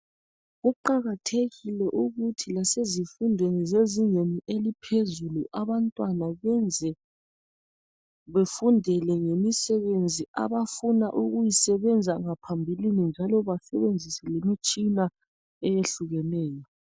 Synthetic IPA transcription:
ɣuǃaɣatʰeɣilɛʔuɣutʰilasezifundʱwenɛzeziŋeniʔelipʰezuluʔaβantʼwanaβɛnd͡zʱɛ | βefundʱɛlɛŋemisɛβend͡zʱiʔa̰βafunaʔuɣujisɛβɛnd͡zʱaŋapʰambʱilinind͡ʒʱalɔβasɛβend͡zʱisɛlemit͡ʃʼina | ɛjeɬuɣɛnɛːjɔ

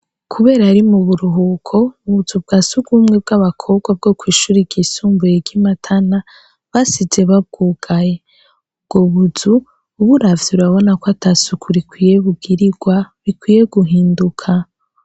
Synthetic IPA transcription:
kʰuβe̞ːɾaɾimuβuɾuɦukʰo̞uβuzub̚ɡaːsuɡuːmŋe̞b̚ɡaβakʰo̞ːbɡwab̚ɡo̞kwiːʃuːɾiɡisuːmbujeɟimatʰana | βasize̞βab̚ɡ̥uːɡ̥aje̞ | ubɡ̥o̞βuzuː | βuɾavjuɾaβo̞nakwatʰasukʰuɾikwiːje̞βuɡiɾiɡ̥waβikwiːje̞ɡuɦiːndukʰa

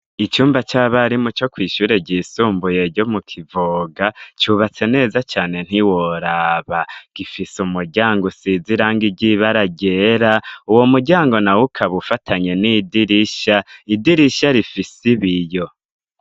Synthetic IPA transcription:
it͡ʃuːmbat͡ʃaβaɾimut͡ʃo̞kwiːʃuːɾe̞ɟisuːmbuje̞ɾɟo̞mukʰivoɡat͡ʃuβat͡se̞ne̞ːzat͡ʃaːne̞n̥hiwo̞ɾaβaɡ̥ifisumuɾɟaːŋɡosiziɾaŋɡiɟiβaɾaɟe̞ɾauwo̞muɾɟaːŋɡo̞nawukʰaβufatʰaɲe̞nidiɾiʃaidiɾiʃaɾifisiβijo̞

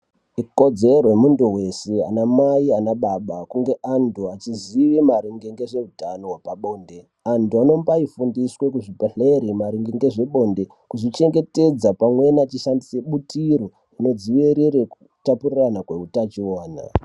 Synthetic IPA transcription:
iko̞d͡ze̞rojemunduwe̞sea̰namaianaɓaɓakuŋɡe̞ʔantʰuat͡ʃiziʋimaɾiŋɡeŋɡe̞ʐe̞utanowapaɓo̞ːnde̞ | antuano̞mbaifundiswe̞kuʐipeɬeɾimaɾiŋɡeŋɡe̞ʐe̞ɓo̞nde̞ | kuʐit͡ʃe̞ŋɡe̞te̞d͡zapamwe̞nat͡ʃiʃandiseɓutiɾo̞ | ino̞d͡ziʋeɾeɾeku | tapuriranakwe̞utat͡ʃioːna̰

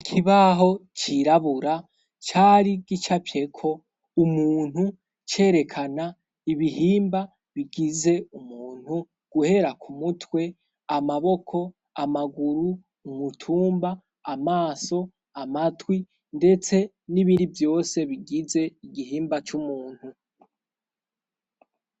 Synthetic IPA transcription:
ikʰiβaɦo̞t͡ʃiɾaβuɾa | t͡ʃaɾiɡit͡ʃapje̞kʰo̞ | umuːn̥hu | t͡ʃe̞ːɾe̞kʰana | iβiɦiːmba | βiɡize̞umuːn̥hu | ɡ̥uhe̞ɾakʰumutʰwe̞ | amaβo̞kʰo̞ | amaɡuɾuː | mutʰuːmbaː | maːso̞ | amatwi | nde̞t͡se̞ | niβiɾivjo̞ːse̞βiɡize̞iɡihiːmbat͡ʃumuːn̥hu

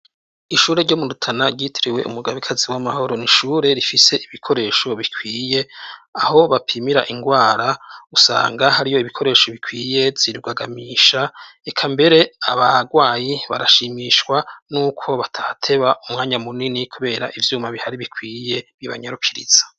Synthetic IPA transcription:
iʃuːɾe̞ɾɟomudutʰanaɾɟitʰiɾiwe̞̰ʔṵmuɡaβikʰaziwamaho̞ɾo̞niʃuːɾe̞ɾifise̞ʔiβikʰo̞ɾe̞ːʃo̞βikʰwiːje̞aho̞βapʰimiɾa̰ʔiŋɡwaːɾausa̰ːŋɡahaɾijo̞iβikʰo̞ɾe̞ːʃo̞βikwiːje̞z̥iɾuɡaɡamiːʃaekʰambe̞ɾe̞aβaɡwaːjiβa̰ɾaʃiːmiʃwanuːkʰo̞βatʰaatʰe̞βaumŋaːɲamuninikʰuβe̞ːɾaʔivjuːmaβihaɾiβikʰwiːje̞βiβa̰ɲaɾukʰiɾḭz̥ḁ

